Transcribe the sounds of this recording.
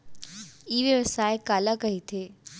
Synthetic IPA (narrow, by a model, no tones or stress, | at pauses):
iːʋjəʋəsaːekaːlakɐɦit̪ʰeː